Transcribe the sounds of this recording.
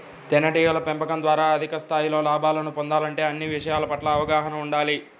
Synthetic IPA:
t̪ɛnːɐʈiːɐlɐpempɐkɐnd̪ʋaːɾaːɐd̪ʱikɐst̪ʰaːjilo̞ːlaːbaːlɐnupond̪aːlɐɳʈe̞ːɐnːiʋiʂɐjaːlɐpɐʈlɐːʋɐɡaːɦɐnɐmuɳɖaːli

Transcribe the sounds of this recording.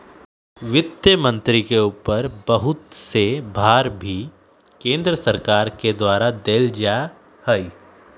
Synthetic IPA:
ʋɪt̪jəmə̃nt̪ɾikeuːpəɾbəɦʊt̪sebʱaːɾbʱi | kẽːnd̪ɾəsəɾkaːɾked̪waːɾad̪eːld͡ʒa | həi

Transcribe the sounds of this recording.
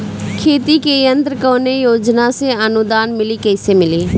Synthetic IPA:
kʰeːt̪iːkeːənt̪ɾəkoːneːjoːd͡ʒnãːsẽːənʊd̪aːnmɪliːkəɪseːmɪliː

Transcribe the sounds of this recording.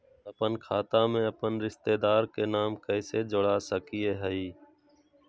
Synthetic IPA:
əpənkʰaːt̪aːmẽːəpənɾɪʃt̪eːd̪aːɾkeːnaːmkəɪseːd͡ʒʊɽaːsəkiːeːɦəiː

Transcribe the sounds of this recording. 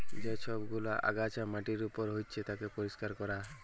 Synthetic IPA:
d͡ʒeʃʰɔbɡulaʔa̰ɡat͡ʃamaʈiɾupɔɾɦojt͡ʃʰet̪akepɔɾiskaɾkɔɾa

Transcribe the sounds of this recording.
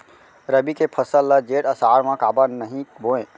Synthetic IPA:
ɾəbikepʰəsəlːəd͡ʒeʈəsaːɾmãkaːbənəɦĩbõẽ

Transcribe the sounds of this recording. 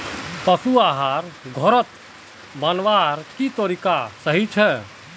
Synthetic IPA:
pəsuaɦaːɾɡʱɔɾət̪ | bənʋaɾkit̪oɾikasəɦit͡ʃʰɛ

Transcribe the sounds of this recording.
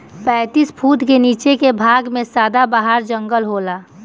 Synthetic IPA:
pɛ̃ːt̪iːspʰuːt̪keniːt͡ʃekebʱaːɡmẽsaːd̪abaːɦaɾd͡ʒə̃ŋɡəlɦoːlaː

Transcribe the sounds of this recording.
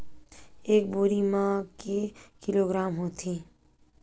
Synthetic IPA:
eːk̚boːɾimãkekɪloɡɾaːmɦoːt̪ʰi

